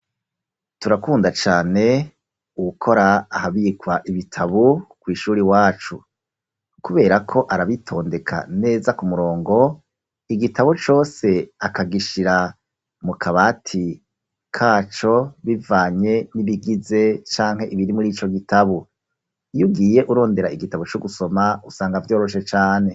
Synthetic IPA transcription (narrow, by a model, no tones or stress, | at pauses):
tuɾakuːndat͡ʃaːne̞ | uukʰo̞ɾaːhaβikwaʔiβitʰaβukwiːʃuːɾiwaːt͡ʃṵ | kuβe̞ːɾakʰo̞ʔaɾaβitʰo̞ːnde̞kʰa̰ne̞ːzakumuɾo̞ːŋɡo̞ | iɡitʰaβut͡ʃo̞ːse̞akaɡiʃiɾa | mukʰaβatʰi | kʰaːt͡ʃo̞βivaːɲe̞niβiɡize̞t͡ʃaːŋ̥he̞ʔiβiɾimuɾiːt͡ʃo̞ɡitʰaβu | ijuɡiːje̞ʔuɾo̞ːnde̞ɾaiɡitaβut͡ʃuɡuso̞mausaːŋɡavjo̞ːɾo̞ʃe̞t͡ʃaːne̞